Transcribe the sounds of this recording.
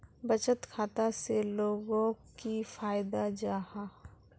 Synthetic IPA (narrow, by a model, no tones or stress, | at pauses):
bət͡ʃət̪kʰaːt̪aseloːɡõkifaːɪd̪ad͡ʒaːha